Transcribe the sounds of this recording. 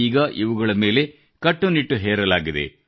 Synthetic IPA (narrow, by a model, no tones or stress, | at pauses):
iːɡɐʔiʋuɡɐɭɐme̞ːle̞ | kɐʈːuniʈːuɦɛːɾɐlaːɡid̪ḛ